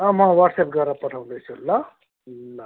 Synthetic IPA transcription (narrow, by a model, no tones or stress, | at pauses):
ʌ̃mʌãwaʈsep̚ɡʌɾapʌʈʰaw̃nd̪ʌjt͡sʰulːa | llːa